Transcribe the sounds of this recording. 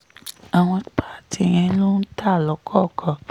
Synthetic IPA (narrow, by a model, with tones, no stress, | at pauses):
a˨w̃ɔ̃˧˨k͡pa˦˨ti˧j̃ɛ̃˧˦lo˦n̩˦ta˦˨lɔ˨˦kʰɔ˦˨kʰɔ˨